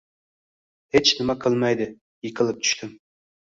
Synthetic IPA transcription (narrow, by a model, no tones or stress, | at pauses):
het͡ʃnɪmakʰɨlˠmajd̪ɪ | jɪkʲʰɨlˠɪp̚t̪ʰʊ̥ʃt̪ɪm